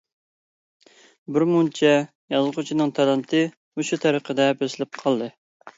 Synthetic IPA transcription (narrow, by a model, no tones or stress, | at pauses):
bɪɾmunt͡ʃʰɛ | jɑzʁʊt͡ʃʰinɨŋt̪ʰɑlˠɑnt̪ʰɨ | uʃut̪ʰɑɾəqʰəd̪ɛbesɪlɪp̚qʰɑlˠd̪ɨ